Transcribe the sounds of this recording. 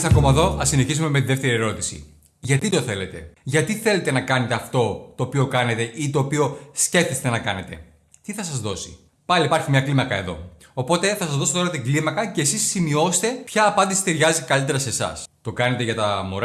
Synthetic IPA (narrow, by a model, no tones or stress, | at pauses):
sɐko̞mɐeðo̞ɐsine̞çizume̞met̪iðeft̪e̞ɾie̞ɾo̞t̪i̥sḭ | ʝɐt̪it̪o̞θe̞le̞t̪e̞̰ʝɐt̪iθe̞le̞t̪e̞nɐkɐne̞t̪e̞ɐft̪o̞t̪o̞ːpio̞kɐne̞t̪e̞ʔit̪o̞ːpio̞sce̞ft̪est̪e̞nɐkɐne̞t̪e̞̰ | t̪iθɐsɐzðo̞si̥ | pɐlipɐɾçimɲɐklimɐkɐe̞ðo̞̰ | opo̞t̪e̞θɐsɐzðosot̪o̞ɾɐt̪iŋɡlimɐkɐce̞ːsisːimio̞se̥t̪e̞pçɐːpɐnd̪isi̥t̪eɾʝɐzeikɐlit̪e̞ɾɐse̞sɐ̰st̪o̞kɐne̞t̪eʝɐt̪ɐmoɾ